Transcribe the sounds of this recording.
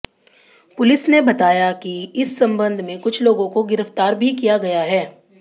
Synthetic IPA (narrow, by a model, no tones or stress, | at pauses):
pʊlɪsnebɐt̪aːjakiɪsːɐ̃mbə̃nd̪ʱmẽkʊt͡ʃʰloːɡõkoɡɪɾəft̪aːɾbʱikijaɡɐjaɦɛː